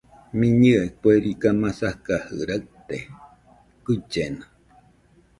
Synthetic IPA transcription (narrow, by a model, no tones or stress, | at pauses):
mĩɲɨʔekueɾikamãsahkahɨ̰ɾaʔt̪e | kɨt͡ʃena